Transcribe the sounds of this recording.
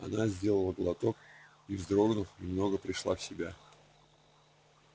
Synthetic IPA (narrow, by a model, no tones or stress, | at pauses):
ɐ̰nazʲdʲe̞lˠəlˠəɡlˠɐt̪o̞k | ivzd̪ɾo̞ɡnʊfiɪmno̞ɡəpɾʲɪʂlˠafsʲɪbʲa